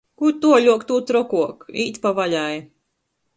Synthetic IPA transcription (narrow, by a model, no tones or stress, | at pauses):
kuɾt̪uɔʎʲuɔkt̪ut̪ɾɔkuɔkiːt̪pavaʎʲaj